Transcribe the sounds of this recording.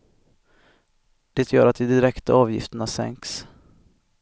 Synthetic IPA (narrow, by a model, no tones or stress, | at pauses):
d̪̥ɛt̪ʰjœːɾat̪̚d̪ɛd̪ɪɾɛkt̪aɑːvjɪ̰ft̪əɳasɛ̰ŋks